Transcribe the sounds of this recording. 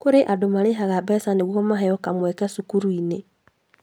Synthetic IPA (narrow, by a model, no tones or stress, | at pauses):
kʊɾɪʔadomaɾɪɦaɣabɛsaneɡɔmaɦɛjɔkamwɛkɛsukuɾuine